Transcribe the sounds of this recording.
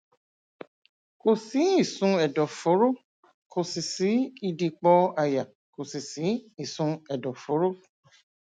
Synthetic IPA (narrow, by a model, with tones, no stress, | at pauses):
ko˨si˨˦i˦˨sũ˧ɛ˨dɔ˨fo˨˦ɾo˦˨ | kʰo˨si˨si˨˦i˦˧di˧k͡pɔ˧a˨ja˨ | ko˨si˨si˨˦i˦˨sũ˧ɛ˨dɔ˨fo˨˦ɾo˦